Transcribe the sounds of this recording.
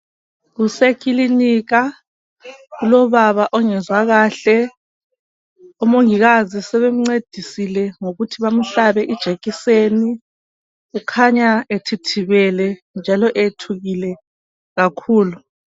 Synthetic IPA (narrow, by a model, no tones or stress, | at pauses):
ɣusekiliniːɣa | ɣulɔβaβaʔɔŋɛzwaɣaːɬɛ | ɔmoŋiɣazisɛβem̩ŋ͡ǀed̥ʱisilɛŋoɣutʰiβam̩ɬaβɛʔid̥ʒ̥ʱeɣiseni | ɣukʰaɲaetʰitʰiβɛlɛ | nd͡ʒʱalɔʔetʰuɣilɛ | ɣakʰuːlu